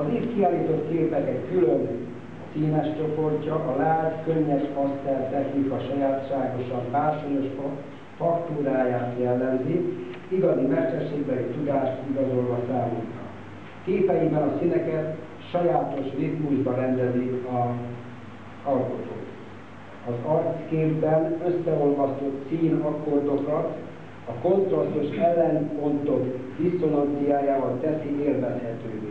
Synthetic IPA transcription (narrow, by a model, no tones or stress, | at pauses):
ɒzit̪kiaːliːt̪o̞t̪keːpɛkɛkkyløn | siːnɛʃt͡ʃo̞po̞rcɒʔɒlaːt̪køɲːɛʃɒst̪ɛrt̪ɛxnikɒʃɒjaːt̪ʃaːɡo̞ʃɒmpaːrʃojoʃf | fɒkt̪uːɾaːjaːt̪jɛlːɛmzi | iɡɒzimɛrʃɛʃeːɡbɛlit̪ud̪aːʃt̪iɡɒzo̞lʋɒsaːmuːt̪ɾɒ̰ | keːpɛibɛnɒsinɛkɛt̪ | ʃɒjaːt̪o̞ʃrip̪muʒbɒɾɛnd̪ɛziɒ | zɒlko̞t̪o̰ːt̪ | ɒzɒrt̪skeːbbɛnø̞sːɛo̞lvɒst̪o̞t̪siːnɒkord̪o̞kɒt̪ | ɒko̞nt̪rɒst̪uʃɛlːɛnpo̞nt̪o̞kd̪ist̪olɒnt̪sijaːjaːvɒlt̪ɛsiʔeːrvɛshɛt̪øːveː